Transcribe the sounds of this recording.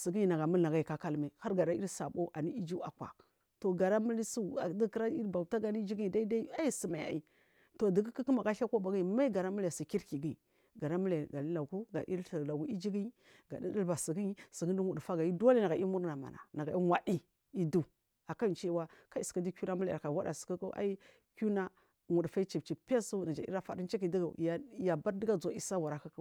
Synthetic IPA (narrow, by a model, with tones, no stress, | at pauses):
si˨ɡi˦ɲi˨na˨ɡa˨mu˦lna˨ɡa˨i˨ka˦ka˦lma˨i˨ha˦ɾɡa˨ɾa˦ḭ˦ɾsa˨bo˦ʔa˨ni˦i˦d͡ʒi˦a̰˨kʷa̰˨ | to˨ɡa˨ɾa˦mu˦li˦su˦a˨di˦kɾa˦i˦ɾba˨ta˦ɡa˨ni˦d͡ʒi˦ɡi˦ɲi˨da˦i˦da˦i˦a˦i˦si˨ma˨ja̰˨ʔḭ˦ | to˨di˨ɡi˦ki˦ki˦ma˨ɡa˦ɬa˦kʷa˦ba˨ɡa˦i˨˦ma˦i˦ɡa˨ɾa˦mu˦le˨si˨ki˦ɾki˨ɡi˦i˨ | ɡa˨ɾa˦mu˦le˨ɡa˨li˦la˨ɡu˦ɡa̰˨ʔḭ˦ɾla˨ɡu˦i˦d͡ʒi˦ɡi˦i˦ | ɡa̰˨dḭ˦di˦lba˨si˨ɡi˦ni˦si˨ɡə˦n˦di˦ŋu˨dfa˦ɡa˨i˦do˦le˦na˨ɡa˨ʔi˦mu˦ɾna˨ma̰˨na̰˨na˨ɡa˨i˦wa˨di˦ | i˦du˦ | a˨ka˦˨n˨t͡ʃe˦wa˦ka˦i˨ska˦di˦ku˦na˦mu˦la˨ka˨wa˦da̰˨si̥˨ka˦ku˦ʔa̰˦i˦ | ku˦na˦ | ŋu˨dfa˦i˦t͡ʃi˨b̚t͡ʃi˨pa˦su˦˨na˨d͡ʒa̰˨ḭ˦ɾa˦fa˦˨˦i˦n˦t͡ʃa˦k̬i˨di˦ɡa̰˨jja˨ba˦ɾdi˦ɡa˦d͡zo˨i˨sa˦wa˨ɾa˨ki˦ku˦